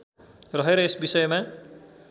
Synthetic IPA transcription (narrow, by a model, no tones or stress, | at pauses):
rʌɦeɾʌesbisʌjma